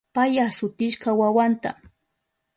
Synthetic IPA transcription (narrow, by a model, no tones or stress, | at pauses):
pajasʊt̪ɪʃkawawant̪a̰